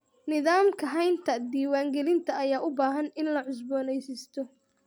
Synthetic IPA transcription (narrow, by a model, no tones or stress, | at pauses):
nɪðaːmkʰɐɦɛjnt̪ʰɐd̪iːwaːŋɡɛlɪnt̪ʰɐːjaːʔʊbaːɦɐnɪnlɐʕʊsbɔːnɛjsɪst̪ʰɔ